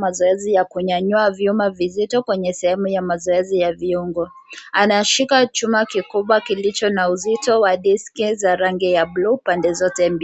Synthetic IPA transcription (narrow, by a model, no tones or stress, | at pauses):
mazɔɛzijakuɲaɲuavjumavizitɔkwɛɲɛsɛhɛmujamazɔɛzijaviuŋɡɔ | anaʃikat͡ʃumakikuɓwakilit͡ʃɔnauzitɔwaɗiskizaɾaŋɡijablupandɛzɔtɛm̩b